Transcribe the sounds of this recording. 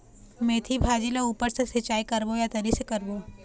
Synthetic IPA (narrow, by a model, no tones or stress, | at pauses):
mẽːt̪ʰibʱaːd͡ʒileuːpəɾsesɐt͡ʃaːikɐɾbojat̪ɐɾisekɐɾboː